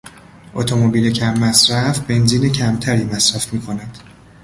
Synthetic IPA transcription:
ʔot̪ʰo̞mobiːlecʰæmːæsɾæfbe̞nziːne̞cʰæmt̪ʰæɾiːmæsɾæfmiːkʰo̞næd̪̥

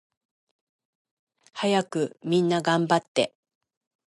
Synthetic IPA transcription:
hajakɯ̟mʲĩnːaɡãmbat̪ːe̞̰

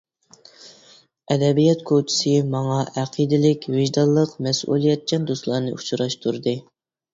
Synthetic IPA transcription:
ɛd̪ɛbijɛt̪kʰot͡ʃʰɪ̥sɨmɑŋɑʔɛqʰid̪ɪlɪkʲvɪʒd̪ɑlˠːəqmɛsʔṵlˠijɛt̪̚t͡ʃʰɛnd̪oslˠɑːɾnɨut͡ʃʰuɾɑʃt̪ʰuɾd̪ɨ

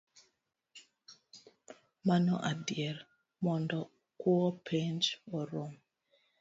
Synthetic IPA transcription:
manɔ̰ʔadjɛr | mɔndɔ | kɔɔpʰend͡ʒɔɾom

